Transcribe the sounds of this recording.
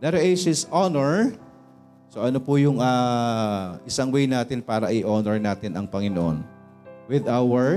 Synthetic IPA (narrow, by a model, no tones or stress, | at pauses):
d̪ɐɾɐʔejsɪsonɛɹ | soʔɐnopʊjʊŋaː | ʔɪsɐŋwɛjnaːt̪ɪnpaːɾɐʔɪʔonɛɹnaːt̪ɪnʔɐŋpɐŋɪnoʔo̰n | wɪd̪awɛɹ